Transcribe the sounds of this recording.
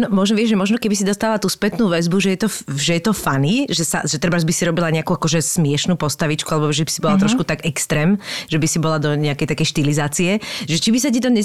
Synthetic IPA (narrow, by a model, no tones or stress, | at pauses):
nɔmɔʒnɔʋɪɛʒʒɛmɔʒnɔkɛbisid̪ɔst̪aːʋat̪uːspɛt̪nuːʋɛzbuʒɛjɛt̪ɔʒɛjɛt̪ɔfaniʒɛsa̰ʒɛt̪ɾ̩bazbisiɾɔbilaɲɛakuakɔʒɛsmɪɛʃnuːpɔst̪aʋit͡ʃkualɛbɔʒɛbisibɔllat̪ɾɔʃkut̪aɡɛkst̪ɾɛːmʒɛbisibɔlad̪ɔɲɛakɛjt̪akɛjʃt̪ilizaːt͡siɛʒɛt͡ʃibis̬acit̪ɔɲɛ